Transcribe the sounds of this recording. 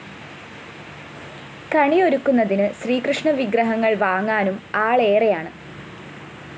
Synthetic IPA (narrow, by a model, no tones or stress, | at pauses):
kɐɳijo̞ɾukːunːɐðinɨɕriːkrɨʂɳɐʋiɡrɐɦɐŋːɐɭʋaːŋːaːnumaːɭe̞ːrejaːɳɨ